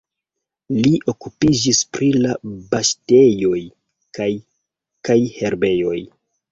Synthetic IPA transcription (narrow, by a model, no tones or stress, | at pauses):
liʔo̞kupid͡ʒispɾilabaʃtejo̞j | kaj | kajhe̞ɾbe̞jo̞j